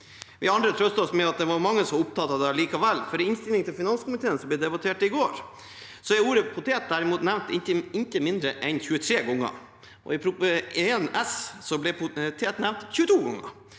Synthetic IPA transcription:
ʋɪɑnd̪ɾət̪ʰɾœst̪ɑɔsmɛɑt̪̚d̪ɛʋɑɾmɑŋːəsɔmʊp̚t̪ʰɑːt̪ːɑd̪æɭiːkɑʋɛlːfɔɾɪɪnst̪ɪlɪŋt̪ʰɪlfɪnɑnskʊmɪt̪ʰeːənsɔmblɛd̪ɛbɑt̪ʰeːʈɪɡoːɾ | sɔɛuːɾəpʰʊt̪ʰeːt̪̚d̪æɾɪmuːt̪næʋnt̪ɪəɪnt̪əmɪnd̪ɾəʔɛnçʉːət̪ʰɾeːɡɔŋːə̰ | ʔɔ̰ɪpʰɾʊpəenɛssɔblɛt̪ʰeːt̪næʋnt̪çʉːət̪ʰuːɡɔŋːə̰

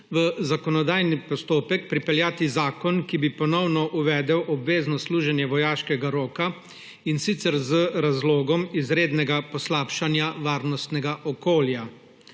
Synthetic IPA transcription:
ʋəzakɔnɔd̪aːjnipɔst̪oːpɛkpɾipɛljaːt̪izaːkɔnkibipɔnɔwnɔʔuʋɛːd̪ɛwʔɔbʋeːznɔsluːʒɛnjɛʋɔjaːʃkɛɡaɾoːka | insit̪sɛɾzəɾazloːɡɔmizɾeːd̪nɛɡapɔslaːpʃanjaʋaːɾnɔst̪nɛɡaʔɔkoːlja

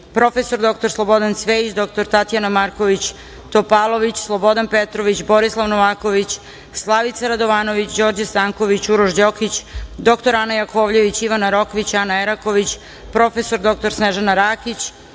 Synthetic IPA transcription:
pɾo̞fe̞so̞ɾd̪o̞kt̪o̞ɾslˠo̞bo̞d̪ansʋeit͡ɕd̪o̞k̚t̪o̞ɾt̪at̪ijanamaɾko̞ʋit͡ɕ | t̪opalˠo̞ʋit͡ɕslˠobo̞d̪anpet̪ɾo̞ʋit͡ɕbo̞ɾislˠaʋnoʋaːko̞ʋit͡ɕ | slˠaʋit̪saɾad̪oʋaːno̞ʋit͡ɕd͡ʑo̞ːɾd͡ʑast̪aŋko̞ʋit͡ɕuɾoʒd͡ʑokit͡ɕd̪o̞kt̪o̞ɾanajakoːʋʎe̞ʋit͡ɕiʋanaɾo̞koʋit͡ɕanaeɾako̞ʋit͡ɕ | pɾo̞fe̞so̞ɾd̪o̞k̚t̪o̞ɾsneʒanaɾakit͡ɕ

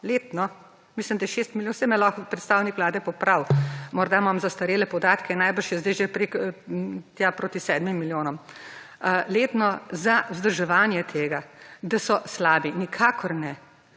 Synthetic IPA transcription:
leːt̪nɔ | mislimd̪ajɛʃeːst̪miljosɛmɛlɔxpɾɛt̪st̪aːwnikʋlaːd̪ɛpɔpɾawmɔɾd̪amamzast̪ɐɾeːlɛpɔd̪aːt̪kɛnajbəɾʃjɛzd̪ɛjʒepɾek | t̪japɾoːt̪isɛːd̪mimːiljoːnɔm | leːt̪nɔzawzd̪əɾʒɛʋaːnjɛt̪ʰeːɡad̪asɔslaːbinikʰaːkʰɔɾnɛ

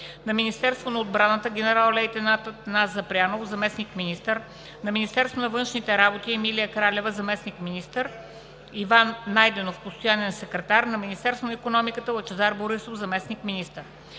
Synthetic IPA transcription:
nɐminist̪ɛɾst̪vonɐod̪̚bɾanət̪əɡʲɛnɛɾalˠlɛjt̪ɛnat̪nazɐpɾʲjanofzɐmɛsnikminist̪əɾ | nɐminist̪ɛɾst̪vonɐvɤnʃnit̪ɛɾabot̪iɛmilijəkɾalʲɛvəzɐmɛsnikminist̪əɾ | ivanːajd̪ɛnofpost̪ojanɛnɐsɛkɾɛt̪aɾnɐminist̪ɛɾst̪vonɐikonɔmikət̪əlˠət͡ʃɛzaɾboɾisofzɐmɛsnikminist̪əɾ

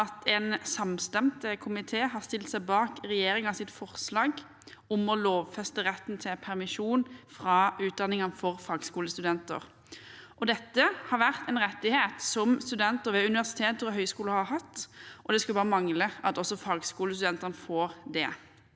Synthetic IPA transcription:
ɑt̪ʰɛnsɑmst̪ɛmt̪əkʰʊmɪt̪ʰeːɦɑʁst̪ɪlt̪sæɪbɑːkʁɛjeːɾɪŋɑsɪt̪fɔʁslɑːɡ | ʊmɔloːʋfɛst̪əʁɛt̪ːn̩t̪ʰɪpʰæʁmɪʃuːnfʁɑʉːt̪̚d̪ɑnɪŋɑnfɔʁfɑːɡskuːləst̪ʉd̪ɛnt̪ə̰ʁ | ʔɔd̪ɛt̪ːəhɑɾʋæʁt̪ɛnʁɛt̪ːɪheːt̪sɔmst̪ʉd̪ɛnt̪əʁʋɛʉnɪʋæʁsɪ̥t̪ʰeːt̪əʁɔɦœʏskuːləhɑhɑt̪ːʔɔd̪ɛskɑbɑːʁəmɑŋləʔɑt̪ɔsːɔfɑːɡskuːləst̪ʉd̪ɛnt̪əʁnəfoːʁd̪ɛ̰

